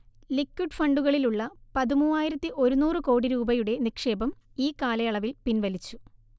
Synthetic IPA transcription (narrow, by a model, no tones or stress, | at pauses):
likːuɖfɐɳɖuɣɐɭiluɭːɐpɐðimuːaːjiɾɐt̪ːiʔo̞ɾunuːrɨko̞ːɽiɾuːbɐjuɽe̞nikʂe̞ːbɐm | iːkaːlɐjɐɭɐʋilpinʋɐlit͡ɕːu